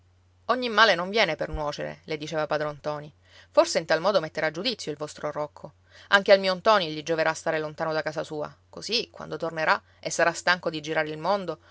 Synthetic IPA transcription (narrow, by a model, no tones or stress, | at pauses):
ɔɲːimːaːlenõɱvjɛːnepernwɔːt͡ʃḛɾḛled̪it͡ʃeːvapaːd̪ɾont̪ɔːni | forseint̪almɔːd̪omet̪ːeɾad͡ʒːud̪it̪sːjoilvɔst̪ɾorɔkʰːo | aŋk̟ealmiːont̪ɔːniʎid͡ʒoveɾast̪aːɾelont̪aːnod̪akaːsasuːa̰kosikːwa̰nd̪ot̪orneɾa | esːaɾast̪aŋkod̪id͡ʒiɾaːɾeilmond̪o